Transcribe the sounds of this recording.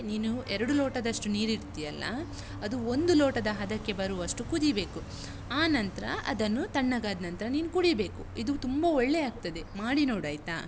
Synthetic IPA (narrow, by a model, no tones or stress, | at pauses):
niːnuɛɾɐɽuloːʈɐd̪ɐʂʈuniːɾiɾt̪ijɐlːɐ̰ | ɐd̪uond̪uloːʈɐd̪ɐɦɐd̪ɐkːe̞bɐɾuʋɐʂʈukud̪ibe̞ːku | aːnɐnt̪ɐɾɐʔɐ̰d̪ɐnːut̪ɐɳːɐɡaːd̪nɐnt̪ɾɐniːnukuɽibe̞ːkuid̪ut̪umbɐɔɭːeaːɡ̚t̪ɐd̪e̞maːɽinoːɽɐjt̪aː